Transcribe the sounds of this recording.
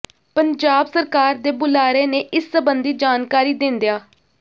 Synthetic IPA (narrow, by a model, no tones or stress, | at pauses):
pənd͡ʒaːbsəɾkaːɾd̪eːbʊlaːɾeːneːʔɪsːəbənd̪iːd͡ʒaːnkaːɾiːd̪ɪnd̪ejaː